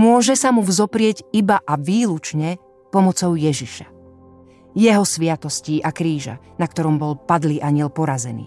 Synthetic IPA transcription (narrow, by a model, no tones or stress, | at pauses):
mʊɔʒɛsamuvzɔpɾɪɛɟibaʔaʋiːlut͡ʃɲɛ | pɔmɔt͡sɔʊjɛʒiʃḁ | jɛɦɔsʋɪat̪ɔsciːʔakɾiːʒa̰nak̚t̪ɔɾɔmbɔlpad̪liːʔaɲɪɛlpɔɾazɛnḭː